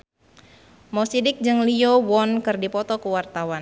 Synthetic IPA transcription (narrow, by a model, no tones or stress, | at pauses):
mɔsidɪk̚d͡ʒɨŋliowɔnkɨrdipɔt̪ɔkəwart̪awan